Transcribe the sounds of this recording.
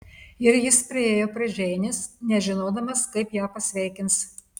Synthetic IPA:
ɪɾjɪspʲɾʲɪeːjoːpʲɾɐʒʲɛɪnʲɪsnʲɛʒʲɪnoːd̪ɐmɐskɐɪpjæːpɐsʲʋʲɛˑɪkʲɪns

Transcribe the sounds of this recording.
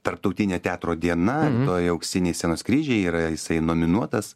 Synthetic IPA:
t̪ɐɾp̚t̪ɐʊt̪ʲɪnʲɛt̪ʲæːt̪ɾoːd̪ʲiɛnɐt̪oːjɐʊksʲɪnʲɛɪsʲɛnoːskɾʲiːʒʲɛɪiːɾɐjɪsɐɪnoːmʲɪnuɔt̪ɐs

